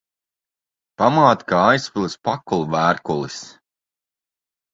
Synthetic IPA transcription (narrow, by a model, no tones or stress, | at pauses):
pamaːt̪kaajspilˠspakulˠuvæːɾkulˠis